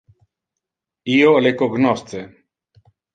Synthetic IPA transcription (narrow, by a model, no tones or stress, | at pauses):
iolekoɡnɔst̪t͡se